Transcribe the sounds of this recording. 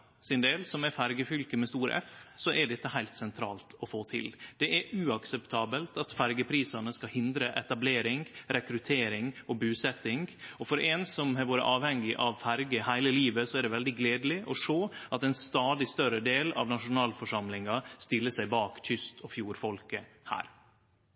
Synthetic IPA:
sɪnd̪eːlsɔmɛɾfæɾɡəfʏlkəmɛst̪uːɾə̰ɛ̰fsɔʔæɖɛt̪ːəɦæɪlt̪sɛnt̪ʰɾɑːlt̪ɔfoːt̪ʰɪ̰ld̪̥ɛʔæɾʉɑksɛpt̪ʰɑːbəlt̪ɑt̪fæɾɡəpʰɾiːsɑnəskɑhɪnd̪ɾəʔɛt̪ɑbleːɾɪŋɾɛkɾʉt̪ʰeːɾɪŋɔbʉːsɛt̪ːɪŋɔfɔɾʔɛnsɔmɦɑʋoːɾə̰ʔɑːʋhɛŋːɪʔɑʋfæɾɡəhæɪləliːʋəsɔæɖɛʋɛld̪ɪɡleːd̪lɪʔɔʂoːʔɑt̪ɛnst̪ɑːd̪ɪst̪œɾəd̪eːlɑ̰ʋnɑʂʊnɑːlfɔʂɑmlɪŋɑst̪ɪlːəsæɪbɑːkc͡çʏst̪ʰɔfjuːɾfɔlkəhæ̰ːɾ

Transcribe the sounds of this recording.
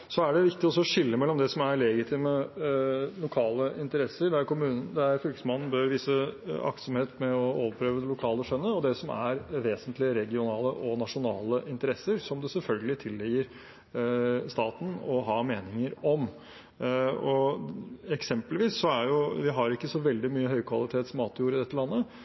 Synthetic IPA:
sɔæɖɛʋɪkt̪ɪɔsɔːʂɪlːəmɛlːɔmd̪ɛsɔmæɾlɛɡɪt̪ʰɪmə | lʊkʰɑːləʔɪnt̪əɾɛsːəɾɖ̪ɛæɾkʊmʉːnənd̪ɛæɾfʏlkəsmɑnn̩bœɾʋiːsəɑ̰kt̪sɔmheːt̪mɛɔoːʋəɾpʰɾøːʋəd̪ɛlʊkʰɑːləʂœnːəɔd̪ɛsɔmæ̰ɾʋeːsənt̪lɪəɾɛɡɪʊnɑːləʔɔnɑʂʊnɑːləʔɪnt̪əɾɛsːəɾsɔmd̪ɛsɛlfœlɡəlɪt̪ʰɪlːɛjəɾ | st̪ɑːt̪n̩ɔɦɑːmeːnɪŋəɾɔm | ɔ | ɛksɛmpəlʋiːsːɔæɾjʊʋɪɦɑɾɪkːəsɔʋɛld̪ɪmyːəɦœʏkʰʋɑlɪt̪ʰeːt̪smɑːt̪juːɾəɪd̪ɛt̪ːəlɑnːə

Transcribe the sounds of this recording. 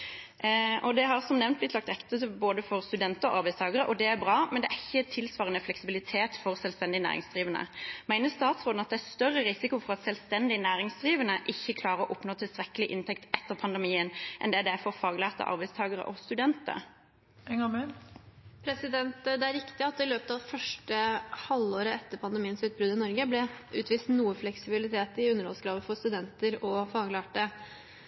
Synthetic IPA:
ʔɔd̪ɛɦɑʁsɔmnɛʋnt̪̚blɪt̪lɑk̚t̪ɛkt̪ət̪əboːd̪əfɔɾst̪ʉd̪ɛnt̪əɔʔɑɾbæɪst̪ʰɑːɡəɾəʔɔd̪ɛæɾbʁɑːmɛnd̪ɛʔæɪçːət̪ʰɪlsʋɑːʁənəflɛksɪbɪlɪt̪ʰeːt̪fɔʁsɛlʋst̪ɛnd̪ɪnæ̰ːʁɪ̰ŋsd̪ʁiːʋənə̰mæɪnəst̪ɑːt̪sʁoːd̪n̩ɑt̪̚d̪ɛæɾst̪œrːəʁɪsɪkʊfɔʁɑt̪sɛlst̪ɛnd̪ɪnæːɾɪŋsd̪ʁiːʋənəʔɪçːəkʰlɑːɾəɔʔʊpnoːt̪ʰɪlst̪ʁɛkːəlɪʔɪnt̪ʰɛkt̪ʔɛt̪ːəʁpʰɑnd̪ɛmiːənʔɛ̰nd̪ɛæd̪æfɔʁfɑːɡlæːʁt̪ə̰ʔɑ̰ɾbæɪst̪ʰɑːɡəʁə̰ʔɔst̪ʉd̪ɛnt̪ə̰ɾ | ɛŋɑmɛ | pʰɾɛsɪd̪ɛnt̪d̪ɛæɾɪkt̪ɪɑt̪̚d̪ɪløːpət̪ɑʋfœʂʈəhɑlːoːɾəɛt̪ːəɾpʰɑnd̪əmiːənsʉːt̪̚bɾʉd̪ɪnɔɾɡəblɛʉːt̪ʋiːst̪nuːəflɛksɪbɪlɪt̪ʰeːt̪ɪʉnːəɾɔ̰lsɡɾɑːʋəfɔɾst̪ʉd̪ɛnt̪əɾɔfɑːɡlæːʈə

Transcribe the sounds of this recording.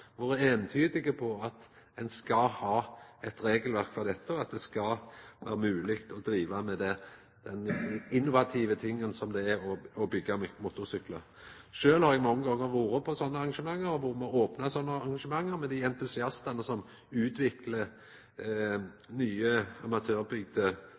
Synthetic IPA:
ʋʊɾɛeːnt̪ʰyːd̪ɪɡəpʰɔɑt̪ | ɛnskɑhɑːɛt̪ɾeːɡəlʋæʁkfɔʁd̪ɛt̪ːəɔɑt̪̚d̪ɛskɑʋæːʁəmʉːlɪkt̪ɔd̪ɾiːʋɑmɛd̪ɛ | d̪̥ɛnɪnːʊʋɑt̪ʰiːʋət̪ʰɪŋːənsɔmd̪ɛæɾɔɔbʏɡːɑmmʊt̪ʊʁsʏklə | ʃøːlhɑɾɛɡmɔŋːəɡɔŋːəʁʋuːɾəpʰɔsɔnːəɑʁɑŋʂəmɑŋːəɾʋʊɾmɑoːpnɑsɔnːəɑʁɑŋɡʂəmɑŋːəʁmɛd̪ɪɛnt̪ʉsɪɑst̪ɑnəsɔm | ʉːt̪ʰʋɪklə | nyːəɑmɑt̪ʰøːʁbʏɡd̪ə

